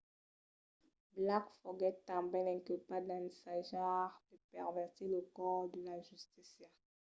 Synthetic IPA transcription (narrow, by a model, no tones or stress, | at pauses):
blakfɔɡɛtːãbɛ̃nɛ̃kilpad̪ãnisaʒaʁd̪̥əpɛʁvɛʁt̪iləkɔʁd̪əlaʒyst̪isja